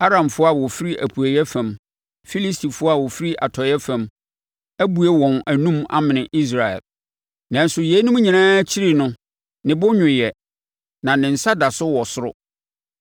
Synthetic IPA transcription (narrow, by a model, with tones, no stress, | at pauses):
a˦ɾã˨mfʊ˦a˨wɔ˨fi˦ɾi˦ʔæ˨pʰu˨æ˨jɛ˦fã˨m | fi˦li˦stʰi˨fʊ˦a˦˨wɔ˨fi˦ɾi˦ʔa˨tʰɔ˨˦ɛ˦fã˨m | æ˦bu˨ɛ˦wɔ̃˨næ˨nũ˦ma̰˦mɪ̃˨nɪ̃˨ʔi˦s̬ɾa˨ɛ̰˨l | nã˨n̩˦sʊ˨je˨˦nʊ̃˦m˦ɲĩ˨nãː˦t͡ɕʰi˦ɾi˨nʊ̃˦ | nɪ̃˨bʊ˦ɲᶣʊ̃˨jɛ˨ | nã˨nɪ̃˨n̩˨sa˦da˨sʊ˦wɔ˨sʊ˦ɾʊ̰˦